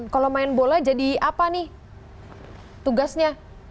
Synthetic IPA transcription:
kalomaɪnbolad͡ʒadiapanɪh | t̪uɡasɲa

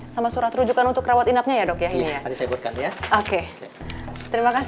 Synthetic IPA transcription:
samasuɾat̪ɾud͡ʒukanunt̪ʊkːɾawat̪inap̚ɲajadɔkjainijaadisebut̪̚kanjaoke | t̪əɾimakas

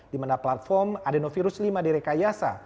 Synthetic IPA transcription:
dimanaplat̪̚fɔrmadenofiɾuslimadiɾɛkajasa̰

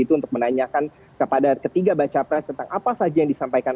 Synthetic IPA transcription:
it̪uːnt̪ʊk̚mənaɲakan | kəpadakət̪iɡabat͡ʃapɾɛst̪ənt̪aŋapasad͡ʒajaŋdisampajkan

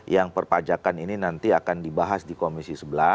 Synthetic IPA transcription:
jaŋpərpad͡ʒakanininant̪iakandibaɦasdikomisisəbəla

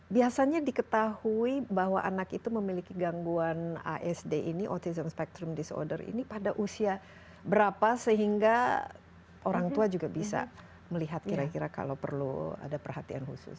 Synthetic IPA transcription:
biasaɲadikət̪ahuibaɦwa̰ʔanakit̪uməmilikiɡaŋɡuana̰ʔɛsdeʔiniʔɔrt̪izəmspɛk̚t̪ɾʊmdisɔ̰rdərḭnipadaʔusia | bəɾapasəɦiŋɡa | ʔoɾaŋt̪uad͡ʒuɡabisa̰ | məliɦat̪̚kiɾakiɾaka̰lawpərlṵa̰dapərɦat̪ia̰nhṵsʊ̰s

